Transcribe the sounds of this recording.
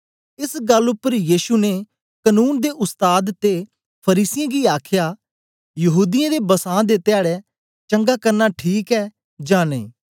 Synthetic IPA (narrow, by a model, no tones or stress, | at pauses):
ɪsɡɐlːʊpːəɾjiːʃune | kənuːnd̪eʔʊst̪aːd̪t̪e | pʰəɾiːsɪjãɡiaːkʰjaː | jɐɦuːd̪ɪjãd̪ebəsãːd̪et̪ɪjaːɽɛ | t͡ʃə̃ŋɡaːkɐɾnaʈʰiːkɛː | d͡ʒãːnḛ̃ː